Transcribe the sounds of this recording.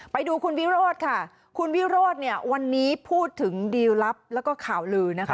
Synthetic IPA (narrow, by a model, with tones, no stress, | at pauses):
pa˧jduː˧kʰu˧nwi˦˥ɾoː˥˩t̪̚kʰa˥˩ | kʰu˧nwi˦˥ɾoː˥˩t̪̚ni˥˩ɐwa˧nːiː˦˥pʰuː˥˩t̪ʰːɯ˩˦ŋdiː˧wla˦˥p̚lɛː˦˥wkɔː˥˩kʰaː˨˩˦wlɯː˧na˦˥ka˦˥